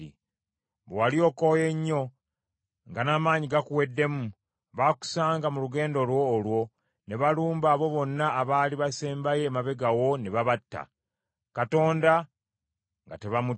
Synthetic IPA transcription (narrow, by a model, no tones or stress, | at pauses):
i | βwalio̞ːkoje̞ɲːo̞ | ŋɡanaːmaːɲiɡakuwe̞dːe̞mu | βaku̥saːŋɡamuluɡe̞ːndolwo̞ːlwo̞ | ne̞βaluːmbaːβo̞βo̞nːaʔːβaːliβase̞ːmbaje̞ːmaβe̞ɡawo̞ne̞βaβatːa̰ | kato̞ːnda | ŋɡa̰te̞βamu